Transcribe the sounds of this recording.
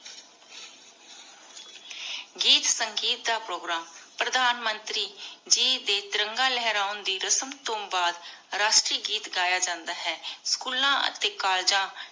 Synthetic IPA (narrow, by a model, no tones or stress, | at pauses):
ɡiːt̪səŋɡiːt̪̚d̪aːpɾoːɡɾaːmpɾəd̪aːnmənt̪ɾiːd͡ʒiːd̪eːt̪ɪɾəŋɡaːlɛɦɾaːʊnd̪iːɾəsəmt̪õːbaːd̪ɾaːʃʈɾiːɡiːt̪ɡaːjaːd͡ʒãːnd̪aːɦɛːskuːlãːə̰t̪eːkaːld͡ʒãː